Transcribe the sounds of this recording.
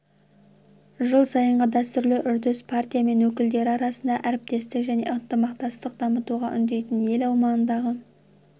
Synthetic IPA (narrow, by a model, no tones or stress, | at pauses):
ʒəlˠsɑjəɴʁəd̪æst̪ʏɾlɪʔʏɾd̪ɪspʰart̪ʲijame̞nwɵk̬ʲɪld̪e̞ɾɪɑɾɑsənd̪ɑʔæɾɪp̚t̪e̞st̪ɪkʒæne̞̰ʔənt̪əmɑqt̪ɑst̪əq̚d̪ɑmət̪uʁɑʔʏnd̪e̞jt̪ɪnje̞lɑwmɑnənd̪ɑʁə